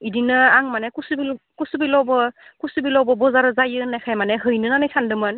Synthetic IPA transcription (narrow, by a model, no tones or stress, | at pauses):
idinɯaŋmanɛkusubil | kusubilɔwbɔkusubilɔwbɔbɔzaɾɯzajɯnajkʰajmanɛɦɯjnɯnanɯjsandɯmɯn